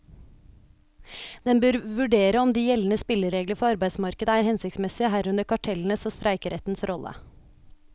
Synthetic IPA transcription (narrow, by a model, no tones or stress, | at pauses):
d̪̥ɛnbøːɾʋʉɖeːɾəɔmd̪iːjɛln̩əspɪləɾeːɡləɾfɔɑɾbæɪsmɑɾkəd̪əæːɾhɛnsɪktsmɛsɪəɦæɾʉnəɾkʰɑʈʰɛln̩əsoːst̪ɾʔæɪkəɾʔɛt̪n̩sɾʔɔlʔə̰